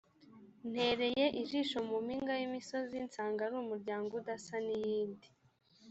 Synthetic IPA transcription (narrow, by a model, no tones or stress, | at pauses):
n̥he̞ɾe̞je̞ʔiʒiʃo̞mumiŋɡajimiso̞zint͡saːŋɡaɾumuɾɟaːŋɡodasanijiːndi